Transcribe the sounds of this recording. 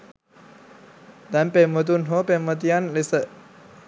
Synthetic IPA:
d̪anpemət̪̬unɦopemət̪̬ijanlisə

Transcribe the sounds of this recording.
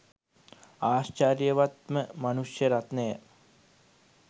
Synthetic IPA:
aːst͡ʃaːɾjəʋat̪məmanuʂjəɾat̪nəjə

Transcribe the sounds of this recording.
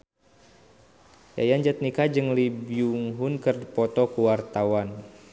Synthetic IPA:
ja̰jand͡ʒat̪̚nikad͡ʒɨŋlibuŋɦʊnkərpɔt̪ɔkuwart̪awan

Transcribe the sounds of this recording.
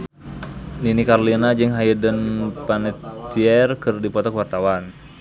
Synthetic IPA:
ninikarlinad͡ʒɨŋɦajədənpanɛt̪iɛrkɨrdipɔt̪ɔkwart̪awan

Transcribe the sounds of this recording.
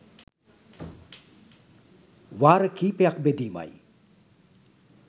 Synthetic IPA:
ʋaːɾəkiːpejakbed̪iːma̰j

